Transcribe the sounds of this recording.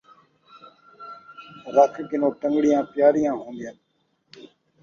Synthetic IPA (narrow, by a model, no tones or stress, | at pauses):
ɾəkʰkɪnõːʈəŋɡɽɪjãːpjaːɾijãːɦũːnd̪ɪjən